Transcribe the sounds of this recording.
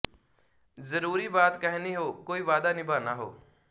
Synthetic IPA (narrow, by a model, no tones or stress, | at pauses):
zəɾuːɾiːbaːt̪kəɦniːɦoːkoːiːʋaːd̪aːnĩbʱaːnaːɦo̰ː